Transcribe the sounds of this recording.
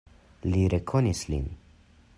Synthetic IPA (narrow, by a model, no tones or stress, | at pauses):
liɾɛkʰɔnislḭn